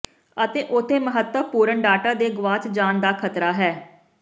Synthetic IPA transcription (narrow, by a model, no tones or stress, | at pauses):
ət̪eːʔʊt̪ʰːeːməɦət̪əpuːɾəɳɖaːʈaːd̪eːɡʊʋaːt͡ʃd͡ʒaːnd̪aːkʰət̪ɾaːɦɛː